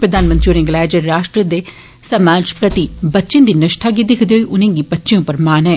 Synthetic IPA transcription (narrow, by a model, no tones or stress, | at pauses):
pɾəd̪aːnmə̃nt̪ionẽːɡlaːd͡ʒəɾaːʃʈɾəd̪eː | səmaːd͡ʒpɾət̪ibətːʃɪ̃ːd̪iːnɪʃʈʰaːɡiːd̪ɪkʰd̪eɦoiːʔʊnẽːɡiːbətːʃijõːpəɾmaːnɦɛː